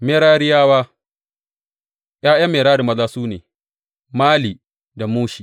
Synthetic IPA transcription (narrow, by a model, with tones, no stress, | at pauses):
meː˦ɾaː˦ɾɪ˦jaː˦waː˦ | ʔj̰aː˦jɐ˦mːeː˨ɾaː˦ɽi˨mɐ˦zaː˦suː˦nḛː˨ | maː˦li˨ | da˨muː˦ʃi˨